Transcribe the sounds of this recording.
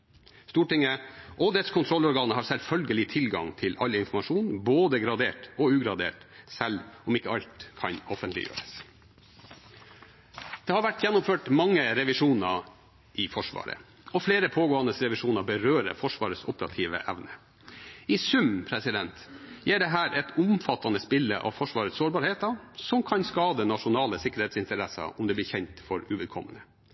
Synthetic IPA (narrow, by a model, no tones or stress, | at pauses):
st̪uːʈɪŋəʔɔd̪ɛt̪skʰʊnt̪ɾɔlːɔɾɡɑːnəhɑːɾsɛlfœlɡəlɪt̪ʰɪlɡɑ̰ŋt̪ʰɪlɑlɪnfɔmɑʂuːnboːd̪əɡɾɑd̪eːʈɔʉːɡɾɑd̪ḛːʈsɛlɔmɪkːəɑʎt̪kʰɑnɔfənt̪lɪ̰jø̰ːɾəs | d̪̥eːhɑɾʋæʈːjɛnːʊmføːʈmɑŋːəɾɛʋɪʂuːnɑɾ | ʔɪfɔʂʋɑ̰ːɾə̰ | ɔfleːɾəpʰoːɡoːɑnd̪əsɾɛʋɪʂuːnɑbəɾøːɾə̰fɔʂʋɑ̰ːɾəsʊpəɾɑ̰t̪ʰiːʋə̰ʔɛʋnə | ɪsʉmpʰɾɛsɪd̪ɛnt̪jæːɖɛɦæːɾʔɛt̪ʊmfɑt̪ːɑnəspɪlːə̰ʔɑ̰ʋfɔʂʋɑːɾət̪soːɾbɑːɾheːt̪ɑsɔmkʰɑnskɑːd̪ənɑʂʊnɑːləsɪkːəɾheːt̪sɪnt̪əɾɛsɑ̰ɔmd̪ɛːblɪːçɛɲt̪fɔɾʉʋɛd̪̚kʰɔmːənə